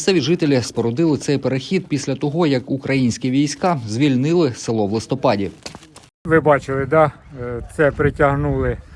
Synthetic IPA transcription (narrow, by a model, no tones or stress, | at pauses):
sɛʋʲiʒɪt̪elʲɪspɔɾɔd̪ɪlˠɪt̪sɛjpeɾexʲid̪̚pʲisʲlʲɐt̪ɔɦɔjɐkukɾɐjinʲsʲkʲiʋʲijsʲkɑzʲʋʲilʲnɪlˠɪsɪlˠɔʋlˠɪst̪ɔpɑdʲi | ʋɪbɑt͡ʃɪlˠɪd̪ɑt̪sɛpɾɪtʲɐɦnulˠɪ